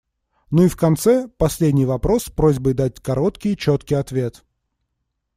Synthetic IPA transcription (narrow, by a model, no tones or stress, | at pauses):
nuifkɐnt̪sɛpɐsʲlʲedʲnʲɪjvɐpɾo̞spɾozʲbɨd̪at̚ʲkɐɾo̞t̪kʲɪjt͡ɕot̪kʲɪjɐt̪vʲe̞t̪